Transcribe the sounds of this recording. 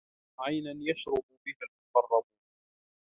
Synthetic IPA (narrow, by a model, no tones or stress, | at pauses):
ʕajnanjaʃɾˤʊbbɪhalmʊqɑrˤːɑbu